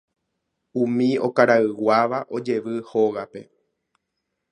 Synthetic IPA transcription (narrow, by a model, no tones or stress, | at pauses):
ũmĩo̞kaɾaɨwaʋaʔo̞d͡ʒe̞ʋɨhoɣape̞̰